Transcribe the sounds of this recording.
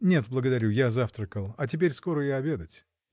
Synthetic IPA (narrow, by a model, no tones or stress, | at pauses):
nʲet̪blˠəɡəd̪ɐɾʲujazaft̪ɾəkəlˠɐt̬ʲɪpʲeɾʲsko̞ɾəjaɐbʲe̞d̪ətʲ